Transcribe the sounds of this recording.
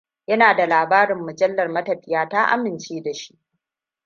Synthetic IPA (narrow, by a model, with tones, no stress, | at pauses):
jɐ˦naː˨da˨laː˨baː˦ɾɪ˨mːʊ˨d͡ʒɐ˦lːɐ˨rmɐ˦tɐ˨ɸɪ˦jaː˦taː˦ʔa̰˦mɪ˨nt͡ʃeː˦da˨ʃi̥˦ʔ